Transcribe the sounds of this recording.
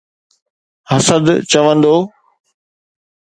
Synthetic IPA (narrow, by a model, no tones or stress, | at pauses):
hɐsəd̪t͡ɕɐʋə̃nd̪oː